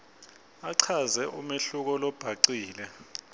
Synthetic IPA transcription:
aǀʰazɛʔumeɬuk̬ɔlɔb̥ʱaǀiːlɛ

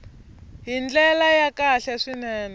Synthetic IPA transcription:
ɦind͡ɮɛlajakaɬɛʂinɛːnɛ

